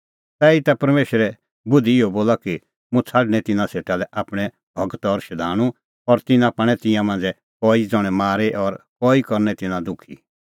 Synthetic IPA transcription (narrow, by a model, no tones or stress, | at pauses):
t̪ɛit̪apɐɾmeːʃəɾɛ | bʊd̪ʱiɪoboːlaki | mũt͡sʰaɖñɛ̃t̪ɪnãseːʈalɛʔaːpɽ̃ɛ | bʱɔkt̪ɔɾʃɐd̪ʱaːɽ̃ũ | ɔɾt̪ɪnãpaɽ̃ɛt̪ɪ̃jãmãːnd͡zɛ | kɔːid͡zɔɽ̃ɛmaːɾeʔɔɾkɔːikɔɾnɛt̪ɪnãd̪ʊkʰḭ